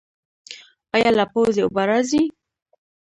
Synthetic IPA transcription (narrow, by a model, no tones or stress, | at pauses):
ajalapozeubaɾazi